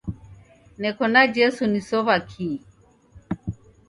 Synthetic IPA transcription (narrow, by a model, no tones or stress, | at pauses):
nɛkɔnad͡ʒɛsunisɔβakʰi